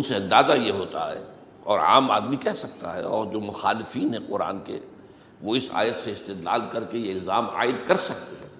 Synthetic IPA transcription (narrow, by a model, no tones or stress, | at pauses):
ʊnseɐ̃nd̪aːzajeɦoːt̪aɦɛ̰ː | ɔːɾa̰ːma̰ːd̪mikɛɦsɐk̚t̪a̰ɦɛ̰ɔːɾd͡ʒoːmʊxaːlɪfiːnɦɛqʊɾa̰ːnke | ʋoɪsa̰ːjət̪seɪst̪ɪːd̪la̰ːlkɐɾkejeɪlzaːma̰ːɪd̪kɐɾsɐk̚t̪eɦɛ̃ː